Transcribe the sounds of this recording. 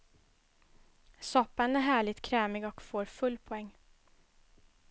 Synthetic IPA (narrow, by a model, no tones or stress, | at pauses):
sɔpːanæɾɦæːɭɪt̪kʰɾɛːmɪɡɔkfoːɾfɵlːpʰɔɛŋː